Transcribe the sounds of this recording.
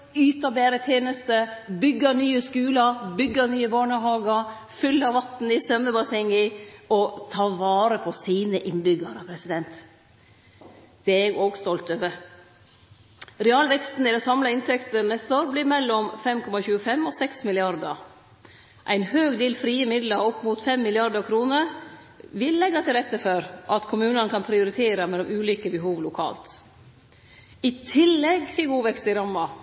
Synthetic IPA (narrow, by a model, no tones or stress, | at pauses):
yːt̪ɑbæːɾət̪ʰjeːnəst̪əbʏɡːɑnyːəskʉːlɑbʏɡːɑnyːəbɑːɳəɦɑːɡə | fʏlːɑʋɑt̪n̩ɪsœmːəbɑsɛŋɪɔt̪ʰɑːʋɑːɾəpʰɔsiːnəʔɪnbʏɡɑəɾəpʰɾɛsɪd̪ɛnt̪ | d̪̥ɛɛɡoːɡst̪ɔlt̪øːʋəɾ | ɾɛɑːlʋɛkst̪n̩ɪd̪ɛsɑmlɑɪnt̪ʰɛkt̪ənɛst̪oːɾbliːmɛlːɔmfɛmkʰɔmɑçʉːəfɛmosɛksmɪlɪɑɾd̪ə | ʔæɪnhøːɡd̪iːlfɾiːəmɪd̪lɑɔpːmuːt̪fɛmːɪlɪɑɾd̪əɾkʰɾuːnəɾ | ʋɪlːɛɡːɑt̪ʰɪlɾɛt̪ːəfɔɾʔɑt̪kʰʊmʉːnənəkʰɑnpʰɾɪʊɾɪt̪ʰeːɾɑmɛlːɔmʔʉːliːkəbəɦuːʋlʊkʰɑ̰ːlt̪ | ɪt̪ʰɪlːɛɡfɪɡuːʋɛkst̪ɪɾɑmːɑ